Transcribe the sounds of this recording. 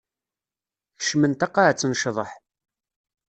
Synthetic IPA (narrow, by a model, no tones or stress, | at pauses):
çə̥ʃmənt̪ɑqːaʕt͡sːənʃðˤəħ